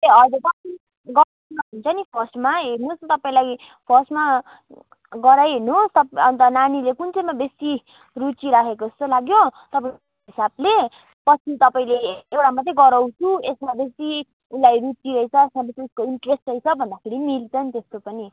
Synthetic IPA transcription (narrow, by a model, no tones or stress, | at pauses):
eʌd͡zot̪ʌsi | ɡʌɾsmaɦunt͡sʰʌnipʰʌsʈmaenust̪ʌpaĩlaj | pʰʌsʈma | ɡʌɾajɦunost̪ʌʌnt̪ʌnanilekunt͡sʌjmabesi | rut͡siɾakʰekoest̪olaɡjot̪ʌpai | ɦisable | pʌt͡sʰit̪ʌpaĩleewɽamat̪rʌɡʌɾʌwt͡sʰuesmabesi | ulajɾut͡siɾʌit͡sʰʌesmabet͡sʰiuskoiɳʈresʈrʌjt͡sʰʌbʱʌnd̪apʰeɾimilt͡sʰʌnt̪est̪opʌni